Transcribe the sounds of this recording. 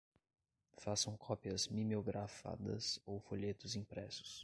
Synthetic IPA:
fasɐ̃w̃kʰɔpiɐzmimeoɡɾafa̰d̪ɐ̰sowfoʎet̪ʊzĩpɾɛsʊ̥s

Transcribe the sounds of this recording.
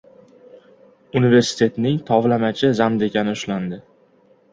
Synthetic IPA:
unive̞ɾsɪ̥t̪ʰe̞t̪nɪŋt̪ʰɒvlamat͡ʃʰɪzamd̪e̞kʲʰanɪʊʃland̪ɪ

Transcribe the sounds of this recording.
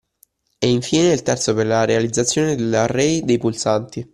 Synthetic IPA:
ɛiɱfiːneilt̪ɛrt̪soperlaɾealid̪zːat̪sːjoːned̪elarɛjd̪ejpulsant̪i

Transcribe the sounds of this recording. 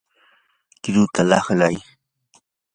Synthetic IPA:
kɪɾʊt̪alɑχlaj

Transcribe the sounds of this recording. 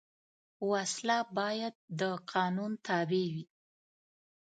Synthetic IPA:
waslabɑjad̪̚ːəqʰɑnunt̪ɑbewi

